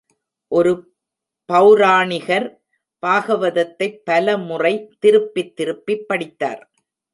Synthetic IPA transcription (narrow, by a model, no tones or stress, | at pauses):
ʔɔɾɯ | pɐʊɾaːɳɪɣɐɾ | paːɣɐʋɐðɐt̪ːɐɪpːɐlɐmʊrɐɪt̪ɪɾɯpːɪt̪ːɪɾɯpːɪpːɐɽɪt̪ːa̰ːɾ